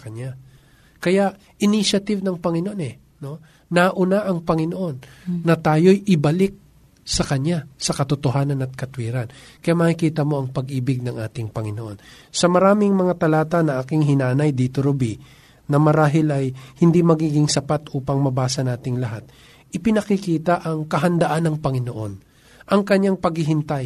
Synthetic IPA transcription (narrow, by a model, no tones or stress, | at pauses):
kɐɲa | kɐjaʔ | ʔɪniʃɐt̪ɪvnɐŋpɐŋɪnoʔo̞nɛ | no̞ | nɐʔʊnaʔɐŋpɐŋɪnoʔo̞nːɐt̪aːjo̞jʔɪbɐlɪk̚ | sɐkɐɲasɐkɐt̪ʊt̪oɦaːnɐnɐt̪̚kɐt̪wiːɾɐnkɐjaʔmɐkɪkiːt̪ɐmo̞ɐŋpɐɡʔiːbɪɡ̚nɐŋʔaːt̪ɪŋpɐŋɪnoʔo̞n | sɐmɐɾaːmɪŋmɐŋat̪ɐlaːt̪ɐnɐʔaːkɪŋɦɪnaːnɐjd̪iːt̪oɾʊbi | nɐmɐɾaːɦɪlɐjhɪnd̪imɐɡiːɡɪŋsɐpat̪ʔuːpɐŋmɐbaːsɐnaːt̪ɪŋlɐɦat̪̚ | ʔɪpɪnɐkɪkiːt̪ɐʔɐŋkɐɦɐnd̪ɐʔanːɐŋpɐŋɪnoʔo̞n | ʔɐŋkɐɲaŋpɐɡhɪɦɪnt̪aj